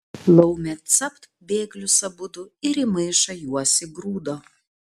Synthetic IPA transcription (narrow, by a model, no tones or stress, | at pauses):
lˠɐʊmʲɛt̪sɐpt̪ | bʲeːɡlʲʊsɐbʊd̪ʊɪɾɪmɐɪʃɐjuɔsʲɪɡɾuːd̪oː